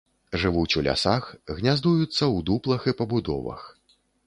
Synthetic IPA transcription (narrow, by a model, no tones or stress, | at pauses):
ʐɨvut͡sʲulʲa̰saxɣnʲazd̪ujut̪sːɐwd̪uplˠɐxipɐbud̪ɔ̰vɐ̰x